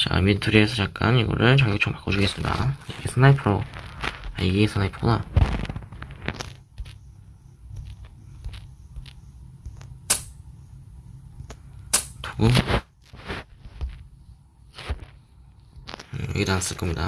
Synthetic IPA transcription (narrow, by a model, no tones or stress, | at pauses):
t͡ɕaa̰mintʰuɾiesʰʌt͡ɕak̚k͈a̰niɡʌ̰ɾɯɭt͡ɕʌɡiot͡ɕʰompak͈od͡ʑuɡes͈ɯmɲida̰iɡesʰɯnaipʰɯɾo | aiɡesʰɯnajipʰoa | toɡum | ɡedanas͈ɯɭk͈ʌmɲida̰